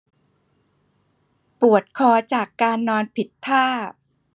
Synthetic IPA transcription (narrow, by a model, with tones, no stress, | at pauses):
pu˨˩ət̪̚kʰɔː˧t͡ɕaː˨˩kːaː˧nːɔː˧npʰi˨˩t̪ʰːaː˥˩